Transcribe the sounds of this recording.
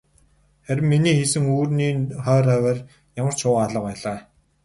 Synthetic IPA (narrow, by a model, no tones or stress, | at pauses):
χæɾʲɪ̆mːiniːxesɘ̆ŋuːrniːχœːɾæwæːr | jamə̆r̥t͡ɕʰʊːaɮə̆pæːɮaː